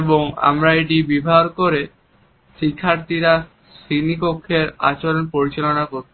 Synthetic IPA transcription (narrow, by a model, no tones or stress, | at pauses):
boŋa̰mɾaeʈibibʱaɾkoɾe | ʃikʰːaɾt̪ʰiɾa | ʃinipokʰːeɾa̰t͡ɕoɾonpoɾit͡ɕalonakoɾt̪ʰ